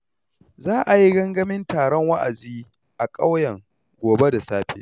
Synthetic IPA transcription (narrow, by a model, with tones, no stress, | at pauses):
zaː˦ʔa˨ji˦ɡɐ˦ŋɡɐ˦mɪ˦ntaː˨ɽɔ˦ŋwa˦ʔa̰˨ziː˦ | ʔa˨kʼa˦wjɐ˨ŋ | ɡʷoː˨be˦da˨saː˦ɸḛː˦˨